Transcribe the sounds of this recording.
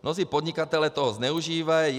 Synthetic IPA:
nɔziːpɔd̪ɲikat̪ɛlɛt̪ɔɦɔzɲɛuʒiːʋa

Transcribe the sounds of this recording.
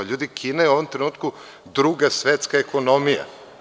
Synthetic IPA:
aʎuːd̪ikʰinajeuo̞ʋomt̪ɾenuːt̪ku | d̪ɾuɡasʋet̪skaekʰono̞mija̰

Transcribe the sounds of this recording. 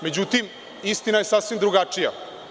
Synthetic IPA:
me̞d͡ʑut̪im | ist̪inaje̞sasʋimd̪ɾuɡat͡ʂija

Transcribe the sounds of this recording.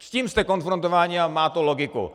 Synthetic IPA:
sciːmst̪ɛko̞nfɾont̪ovaːɲɪamaːt̪oloɡɪkṵ

